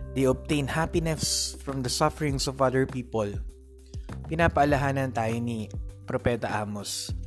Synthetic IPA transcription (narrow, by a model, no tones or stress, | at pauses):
d̪ejɔb̚t̪ẽjnhapɪnɛsfɹɐ̃md̪ɐsɐfɛɹɪ̃ŋsɔvɐðɛɹpiːpol | pɪnaːpɐʔɐlɐɦaːnɐnt̪aːjonipɾopɛt̪ɐʔaːmos